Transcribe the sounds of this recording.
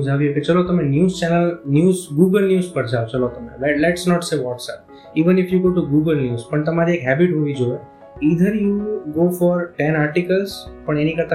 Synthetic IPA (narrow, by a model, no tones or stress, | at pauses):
d͡ʒʱaʋioket͡ʃəlot̪əmenjuːzt͡ʃɛnəlnjuːzɡuɡəlnjuːzpəɾd͡ʒʱaot͡ʃəlot̪əmḛʋɛlɛʈsnɔʈseʋɔʈsɛp̚ | iʋənɪfjuɡoʈuɡuɡəlnjuːzpəɳt̪ɐmaɾiekɦɛbiʈɦoʋid͡ʒoe | id̪ʱəɾjuɡofɔɾʈɛ̃naɾʈikəlzpəɳenikəɾt̪a